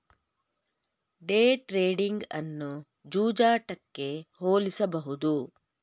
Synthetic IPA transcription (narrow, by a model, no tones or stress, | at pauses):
ɖeːʈɾeːɖiŋɡɐ̰nːu | d͡ʒuːd͡ʒaːʈɐkːe̞hoːlisɐbɐɦud̪u